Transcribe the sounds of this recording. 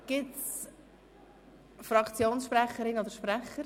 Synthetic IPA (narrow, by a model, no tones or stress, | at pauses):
ɡ̥ɪts | fɾɑkt͡sjoːnsʃpɾɛχəɾɪnod̪əɾʃpɾɛχəɾ